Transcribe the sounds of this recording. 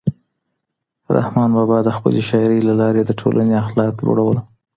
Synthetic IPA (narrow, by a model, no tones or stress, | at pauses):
ɾa̰hmɑnbɑbɑd̪əxpə̰leʃɑɪɾəjlalɑɾed̪əʈʰo̰lʔaneaxlɑklo̰ɽawəl